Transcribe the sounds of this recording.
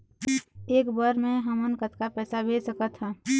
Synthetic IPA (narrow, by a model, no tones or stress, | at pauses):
eːkbəɾmẽɦəmənkət̪kapɛːsabʱesəkət̪ɦɛ